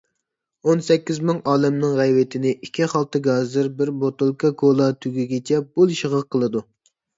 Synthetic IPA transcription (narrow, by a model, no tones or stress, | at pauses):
onsɛkʲːizmɪŋʔɑːlɛmnɨŋʁæjwɪt̪ʰɪnɪʔikʲʰːiχɑlˠt̪ɨɡɑzɨɾbɪɾbot̪olˠkʰɑkʰolˠɑt̪ʰyɡʲyɡʲet͡ʃʰɛb̥ulˠʃəʁəq̚qʰːəlˠɨd̪u